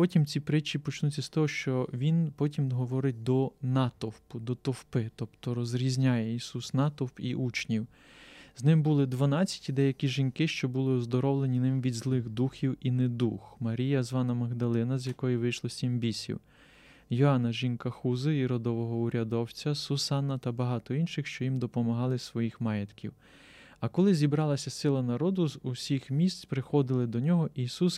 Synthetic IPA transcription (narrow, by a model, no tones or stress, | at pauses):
pɔtʲimt͡sʲipɾɪt͡ʃipɔt͡ʃnut͡sʲːɐst̪ɔɦɔʃt͡ʃɔʋʲinpɔtʲimɦɔʋɔɾɪt̚ʲd̪ɔnɑt̪ɔwpʊd̪ɔt̪ɔwpɪt̪ɔpt̪ɔɾɔzɾʲizʲnʲajɛisusnɑt̪ɔwpiʔut͡ʃnʲiw | znɪmbulˠɪd̪ʋɐnɑt͡sʲːɐ̥tʲid̪ɛjɐkʲiʒinkɪʃt͡ʃɔbulˠɪɔzd̪ɔɾɔwlˠenʲinɪmʋʲidʲzlˠɪɣd̪uxʲiwinɛd̪uxmɐɾʲijɐzʋɑnɐmɐɣd̪ɐlˠɪnɐzʲjɐkɔjiʋɪjʃlˠɔsʲimbʲisʲḭw | jɔɑnɐʒinkɐxuzɪiɾɔd̪ɔʋɔɦɔʊɾʲɐd̪ɔwt͡sʲɐsʊsɑnɐt̪ɐbɐɦɑt̪ɔinʃɪxʃt͡ʃɔjimd̪ɔpɔmɐɦɑlˠɪsʋɔjixmɑjɛt̪kʲḭw | ɐkɔlˠɪzʲibɾɑlˠɐsʲɐsɪlˠɐnɐɾɔd̪ʊzusʲixmʲist̪t͡sʲpɾɪxɔd̪ɪlˠɪd̪ɔnʲɔɦɔʔisus